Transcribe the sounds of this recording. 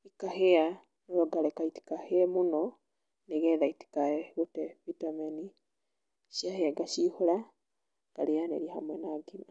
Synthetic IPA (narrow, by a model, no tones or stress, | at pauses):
ikahea | noɾoɡaɾɛkaiti̥kaheɛmunɔ | neɣɛðaiti̥kaeɣotɛvitameni | ʃjaheaɡaʃihoɾa | ɡ̥aɾeanḛɾiaha̰mwɛnaɡina